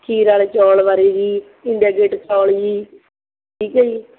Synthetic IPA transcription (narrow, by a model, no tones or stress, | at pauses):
kʰiːɾaːleːt͡ʃɔːlʋaɾeːd͡ʒiː | ɪɳɖaːɡeːʈt͡ʃɔːld͡ʒiː | ʈʰiːkəiː